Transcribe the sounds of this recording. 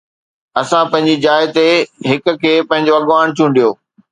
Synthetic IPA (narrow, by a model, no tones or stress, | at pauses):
ɐsãpɐ̃ɦɪ̃ɲd͡ʑid͡ʑaːɪt̪eɦɪkʊ̆kʰeːpɐ̃ɦɪ̃ɲd͡ʑoɐɠʋaːñt͡ɕʰũ̆ːɖijoː